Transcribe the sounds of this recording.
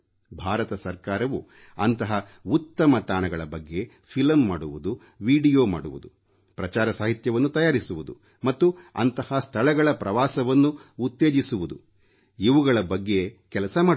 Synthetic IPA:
bʱaːɾɐt̪ɐsɐɾkaːɾɐʋu | ɐnt̪ɐɦɐut̪ːɐmɐt̪aːɳɐɡɐɭɐ̰bɐɡːe | pʰilɐmːa̰ːɽuʋud̪u | ʋiːɖijoːma̰ːɽuʋud̪u | pɾɐt͡ʃaːɾɐsaːɦit̪jɐʋɐnːut̪ɐjaːɾisuʋud̪u | mɐt̪ːuɐ̰nt̪ɐhɐst̪ʰɐɭɐɡɐɭɐpɾɐʋaːsɐʋɐnːuːt̪ːe̞ːd͡ʒisuʋud̪u | iʋuɡɐɭɐbɐɡːe̞kɛlɐsamaːɽ

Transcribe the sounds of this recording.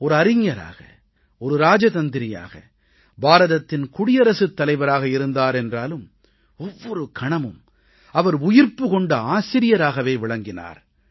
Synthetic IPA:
ɔɾɯɐɾɪŋjɐɾa̰ːɣɐ̰ | ɔɾɯɾaːd͡ʒɐt̪ɐnd̪ɪɾɪja̰ːɣɐ̰ | baːɾɐðɐt̪ːɪnkʊɽɪjɐɾɐsɯt̪ːɐlɐɪʋɐɾaːɣɐɪɾɯnd̪aːɾɛndraːlɯm | ɔʋːɔɾɯkʰɐɳɐmɯm | ɐʋɐɾʊjɪɾpɯkɔɳɖɐaːsɪɾɪjɐɾaːɣɐʋeːʋɪɭɐŋɡɪna̰ːɾ

